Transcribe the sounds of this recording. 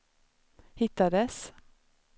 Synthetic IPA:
hɪt̪ːad̪əs

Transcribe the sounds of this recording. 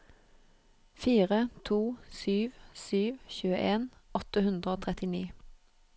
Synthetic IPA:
fiːʁət̪ʰuːsyːʋsyːʋçʉːəʔeːnɔt̪əhʉnd̪ʁəoːt̪ʰʁɛt̪ɪniː

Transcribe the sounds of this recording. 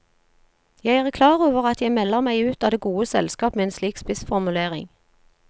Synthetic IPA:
jæɪæːʁkʰlɑːʁoːʋəʁɑt̪jæɪmɛlːəʁmæɪʉːt̪ɑːd̪eːɡuːəsɛlskɑːpmeːeːnsliːkspɪsfɔʁmʉleːʁɪ̰ŋ

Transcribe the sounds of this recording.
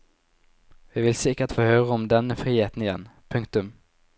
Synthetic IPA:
ʋɪʋɪlsɪkːət̪foːhøːɾəɔmd̪ɛnːəfɾiːheːt̪ənɪjɛnːpʰɵŋkt̪ɵm

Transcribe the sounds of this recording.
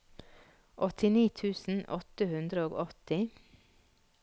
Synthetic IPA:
ʔɔt̪ɪniːt̪ʰʉːsn̩ɔt̪əhʉnd̪ɾəoːɡɔt̪ɪ

